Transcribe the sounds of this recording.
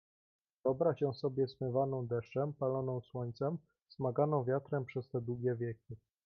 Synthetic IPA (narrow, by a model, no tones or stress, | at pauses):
vɔbɾaɕɛ̃sɔbʲjɛsmɘvanɔ̃w̃d̪ɛʂt͡ʂɛmpalɔnɔ̃w̃swɔɲt̪sɛm | z̥maɡanɔ̃w̃vʲjat̪ɾɛmpʂɛst̪ɛd̪wuɡʲɛvʲjɛkʲi